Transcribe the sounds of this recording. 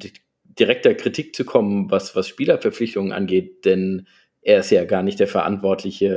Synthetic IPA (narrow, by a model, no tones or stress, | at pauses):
t | d̥iʁɛk̚tɐkʁ̥itʰiːk̚t͡sukʰɔmənvasv̥asʃpiːlɐfɛɐp͡flɪçtʊŋənʔa̰nɡeːt̚d̥ɛn | ʔeːɐɪstjaːɡaːɐnɪçtd̥eːɐfɛɐʔa̰ntv̥ɔɐtʰlɪçə